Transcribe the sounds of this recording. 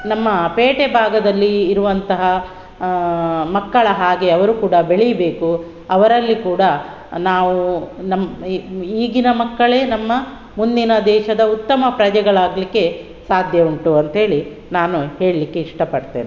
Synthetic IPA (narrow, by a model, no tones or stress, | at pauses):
nɐmːɐpeːʈebʱaːɡɐd̪ɐlːiːɾuʋɐnt̪ɐɦɐ | mɐkːɐɭɐɦaːɡe̞ɐʋɐɾukuːɽɐbeɭijɐbe̞ːku | ɐʋɐɾɐlːikuːɽɐ | naːʋunɐm | iːɡinɐmɐkːɐɭe̞ːnɐmːɐ | mund̪inɐd̪ɛːʃɐd̪ɐut̪ːɐmɐpɾɐd͡ʒɛɡɐɭaːɡlikːe̞ | saːd̪ʱjɐuɳʈuɐnt̪ɦe̞ːɭi | naːnuhe̞ːɭlikːe̞iʂʈɐpɐɽt̪eːne